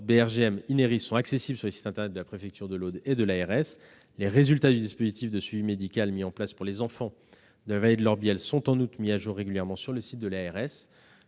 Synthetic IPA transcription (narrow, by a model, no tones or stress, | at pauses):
beɛʁʒeɛmineʁisːɔ̃aksesibləsyʁləsi̥t̪ɛ̃t̪ɛʁnɛt̪̚d̪əlapχefɛk̚t̪ʰyʁd̪əlod̪ed̪əlaɛʁɛs | leʁezylt̪ad̪yd̪ispozit̪ifd̪əsɥivimed̪ikʲalmiɑ̃plaspuʁlezɑ̃fɑ̃ | d̪əlavaled̪əlɔʁbjɛlsɔ̃t̪ɑ̃nut̪miaʒuʁːeɡʲyljɛʁmɑ̃syʁləsit̪̚d̪əlaɛʁɛs